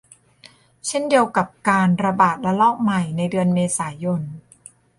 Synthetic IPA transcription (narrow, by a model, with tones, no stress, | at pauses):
t͡ɕʰe˥˩ndi˧əwka˨˩p̚kaː˧nɾa˧baː˨˩t̪̚la˦˥lɔː˥˩k̚ma˨˩jna˧jdɯ˧ənmeː˧saː˩˦jo˧n